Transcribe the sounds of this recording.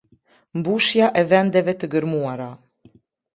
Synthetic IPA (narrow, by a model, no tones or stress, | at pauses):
mbuʃjaʔɛvɛnd̪ɛvɛt̪əɡəɾmuaɾa